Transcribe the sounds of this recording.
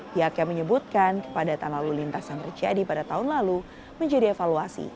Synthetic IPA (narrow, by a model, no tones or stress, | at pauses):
piɦakjaməɲəbut̪̚kankə̥padat̪analulint̪asant̪ərd͡ʒa̰dipadat̪aɦʊnlalu | məɲd͡ʒadiefaluasḭ